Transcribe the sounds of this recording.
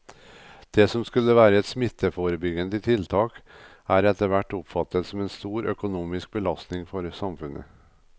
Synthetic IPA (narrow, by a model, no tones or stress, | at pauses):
d̪̥esɔmskʉlːəʋæːɾəɛt̪smɪt̪ʰːəfoːɾəbʏɡənd̪əɪt̪ʰɪlt̪ʰɑːk | æːɾɛt̪əʋæʈːʊpfɑt̪ːət̪sɔmɛːnst̪uːɾœ̰kʊnuːmɪsk̚bəlɑst̪nɪŋfɔɾsɑmfʉnə̰